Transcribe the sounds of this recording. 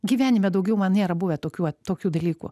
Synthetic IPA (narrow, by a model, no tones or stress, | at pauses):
ɡʲiːʋʲæːnʲɪmʲɛd̪ɐʊɡʲɛʊmɐnnʲeːɾɐbuʋʲɛt̪oːkʲuːt̪oːkʲuːd̪ɐlʲiːkṵ